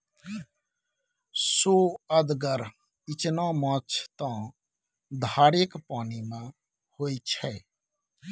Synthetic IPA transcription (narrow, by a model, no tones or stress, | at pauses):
soːəd̪ɡəɾ | ɪt͡ʃnãːmãt͡ʃʰt̪ãː | d̪ʱaːɾɪkpaːnimã | hoːit͡ʃʰɛː